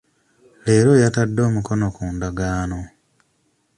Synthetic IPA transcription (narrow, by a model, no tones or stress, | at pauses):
le̞ːɾo̞jatadːo̞ːmuko̞no̞kuːndaɡaːno̞